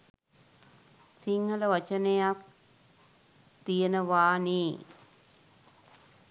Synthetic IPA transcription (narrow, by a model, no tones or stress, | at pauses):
siŋhələʋɐt͡ʃənejak̚ | t̪ijənəʋaːniː